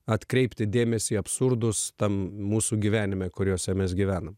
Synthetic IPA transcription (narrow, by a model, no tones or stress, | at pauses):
ɐt̪kɾʲɛɪpʲt̪ʲɪd̪ʲeːmʲɛsʲiːɐpsʊɾd̪ʊst̪ɐmmuːsuːɡʲiːʋʲæːnʲɪmʲɛkʊɾʲjuːsʲɛmʲɛsɡʲiʋʲæːnɐm